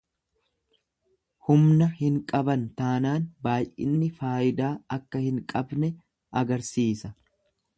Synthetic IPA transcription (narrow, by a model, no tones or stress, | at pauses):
hʊmnɐhɪŋkʼɐbɐnt̪aːnaːnbaːjʔɪ̰nːɪfaːʔɪd̪aːɐkːɐhɪŋkʼɐbnɛ | ʔɐɡɐɾsiːsɐ